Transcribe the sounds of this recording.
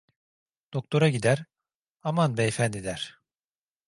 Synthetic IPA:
d̪̥ok̚t̪ʰo̞ɾaɟid̪æɾ | amanbɛfænd̪id̪æɾ̥

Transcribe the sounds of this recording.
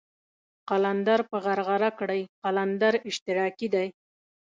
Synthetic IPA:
qaland̪aɾpəʁaɾʁaɾakɽəjqaland̪aɾɪʃt̪ɪɾɑkid̪aj

